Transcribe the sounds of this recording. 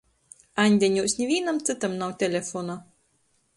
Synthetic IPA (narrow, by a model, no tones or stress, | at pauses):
anʲd̪ʲenʲuːsnʲivʲiːnamt̪sɨt̪amnawt̪ʲelʲefɔna